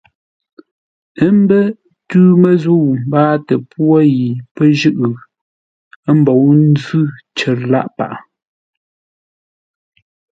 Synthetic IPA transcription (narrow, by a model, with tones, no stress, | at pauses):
ə˦m˦bə˦ | tʉː˦mə˨zu˦˨wm˨baː˦tə˨pwɔ˦ji˨pə˦ʒʉ˦ʔɨ˨ | ə˦m̩˨bɔ˨wn̩˦zʉ˦ | t͡ʃə˨ɾla̰˦˨ʔpa̰˨ʔa˨